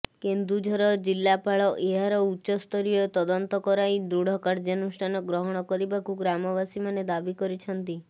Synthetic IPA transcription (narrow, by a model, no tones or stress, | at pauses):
kend̪ɾud͡ʒʱɔɾɔd͡ʒilːapaɭɔʔeɦaɾɔutːʃɔst̪ʰɔɾijɔt̪ɔd̪ɔnt̪ɔkɔɾajd̪ɾuɽ̤ɔkaɾd͡ʒanusʈʰanɔɡɾɔɦɔɽ̃ɔkɔɾibakuɡɾamɔbasimaned̪abikɔɾit͡ʃʰɔnt̪i